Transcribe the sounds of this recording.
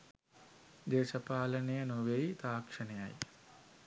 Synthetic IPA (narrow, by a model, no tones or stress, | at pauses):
d̪eːʃəpaːlənejənoʋejt̪aːkʂənejaj